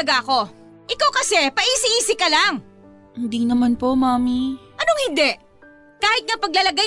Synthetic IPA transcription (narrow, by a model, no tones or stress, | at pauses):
ɐɡaʔɐko̞ | ʔɪkawkɐsɛpɐʔiːsɪʔiːsɪkːɐlaŋ | ɪnd̪iŋnɐmanpo̞maːmiʔɐno̞ŋhɪnd̪ɛʔ | kaːhɪt̪̚ŋɐpɐɡ̚lɐlɐɡaj